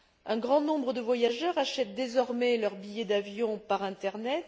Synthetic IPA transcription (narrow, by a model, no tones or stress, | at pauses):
ɛ̃ɡʁɑ̃nɔ̃bʁəd̪əvwajaʒœʁaʃɛt̪̚d̪ezɔʁmɛlœʁbijɛd̪avjɔ̃paʁɛ̃t̪ɛʁnɛt̪